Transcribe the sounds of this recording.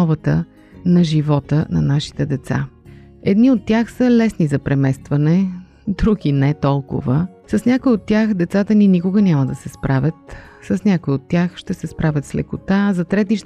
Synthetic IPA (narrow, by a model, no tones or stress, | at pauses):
ɔvət̪ə | nɐʒivɔt̪ənɐ̰naʃi̥t̪ɛd̪ɛt̪sa̰ | ɛd̪niot̪ːʲjaxsəlɛsnizɐpɾɛmɛst̪vɐnɛ | d̪ɾuɡinɛt̪ɔlˠkʊ̰və | sɐsnʲakoiot̪ːjaxd̪ɛt̪sat̪əninikʊɡənʲaməd̪ɐsɛspɾʔavʲət̪ | səsnʲakoiot̪ːjaxʃt̪ɛsɛspɾʔavʲət̪slɛ̰kʊt̪azɐt̪ɾɛt̪̬iʃ